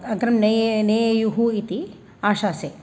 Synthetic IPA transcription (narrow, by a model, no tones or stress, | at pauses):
ɐɡɾɐmnɐjneːjjuɦuit̪i | aːʃaːseː